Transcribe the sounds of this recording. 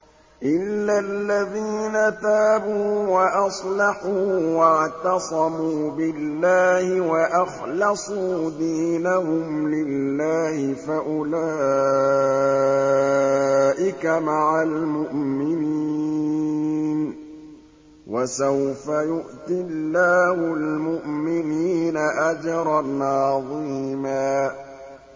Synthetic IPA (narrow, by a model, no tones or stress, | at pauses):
ʔɪlːalːaðiːnat̪aːbuːwaʔɑsˤlɑħuːwaʕt̪ɑsˤɑmuːbɪlːaːhɪwaʔɑxlɑsˤuːd̪iːnahʊmlɪlːaːhɪfaʔʊlaː | ʔɪkamaʕalmʊʔmɪniː | n | wʔasawfajʊʔt̪ɪllːaːhʊlmʊʔmɪniːnaʔad͡ʒɑɾˤɑnʔʕɑðˤiːmaː